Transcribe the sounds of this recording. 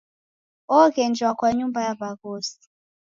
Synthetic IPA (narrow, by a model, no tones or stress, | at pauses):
ɔkɛnd͡ʒʱwakwaɲumbajavakoːsi̥